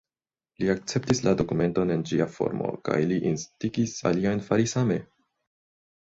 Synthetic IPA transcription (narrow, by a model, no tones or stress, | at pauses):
liak̚t͡se̞ptislado̞kume̞nto̞ne̞nd͡ʒiafo̞̰ɾmo̞̰ka̰jliʔinstiɡisa̰liajnfaɾisame̞